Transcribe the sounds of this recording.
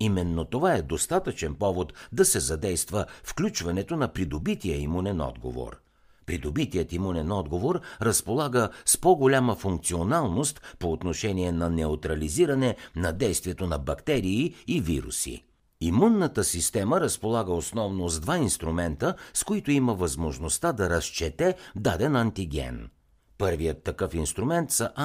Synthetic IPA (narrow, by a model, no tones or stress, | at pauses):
imɛnːot̪ovaɛd̪ost̪at̪ət͡ʃɛnpɔvot̪d̪ɐsɛzɐd̪ɛjst̪vəfklʲut͡ʃvɐnɛt̪onɐpɾid̪obit̪ijəimunɛnɔ̰d̪ɡo̰vo̰ɾ | pɾid̪obit̪ijət̪imunɛnɔd̪ɡovoɾɾɐspolˠaɡəspɔɡolʲaməfuŋk̚t̪sionalˠnost̪poːt̪noʃɛniɛnɐnɛot̪ɾɐliziɾɐnɛnɐd̪ɛjst̪viɛt̪onɐbɐkt̪ɛɾiːivḭɾṵsḭ | imunːət̪əsist̪ɛməɾəspolˠaɡəosnɔvnozd̪vainst̪ɾumɛnt̪əskoit̪oiməvɐzmoʒnost̪ad̪ɐɾɐst͡ʃɛt̪ɛd̪ad̪ɛnɐnt̪iɡʲɛ̰n | pɤɾvijət̪ːɐkɤfinst̪ɾumɛnt̪sɐʔa